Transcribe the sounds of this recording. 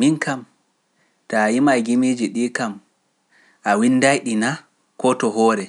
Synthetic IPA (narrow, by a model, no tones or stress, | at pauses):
minkam | tajimajɡimid͡ʒiɗikam | ʔawinːdajɗina | kɔtɔɦɔːɾɛ